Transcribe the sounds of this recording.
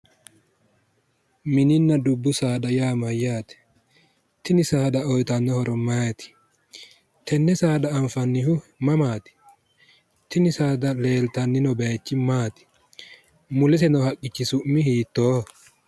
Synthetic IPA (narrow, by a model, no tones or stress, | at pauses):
mɪnɪnːɐd̪ʊbːʊsaːɗɐjaːmɐjːaːt̪ɛ̥ | t̪ɪnɪsaːɗɐɔjt̪ɐnːɔhɔɾɔmajt̪ɪ̥ | t̪ʰɛnːɛsaːɗɐːɱfɐnːɪhʊmɐmaːt̪ɪ̥ | t̪ɪnɪsaːd̪ɐleːlt̪ɐnːɪnɔbeːt͡ʃːɪmaːt̪ɪ̥ | mʊlɛsɛnɔhɐkʼːɪt͡ʃːɪsʊʔmɪhiːt̪ːoː